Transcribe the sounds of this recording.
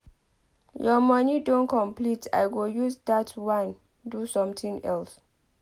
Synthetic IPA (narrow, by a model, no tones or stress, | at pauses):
jɔmɔnidõnkʰɔ̃mplita̰jɡojuzdatwãn | dusɔ̃mtʰĩŋɛ̰ls